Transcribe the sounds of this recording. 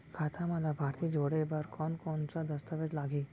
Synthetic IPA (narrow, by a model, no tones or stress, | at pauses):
ɡʰʱat̪ʰamãlabʱaɾt̪ʰid͡ʒoɽebaɾkɔnkɔnsad̪əst̪əʋed͡ʒlaɡi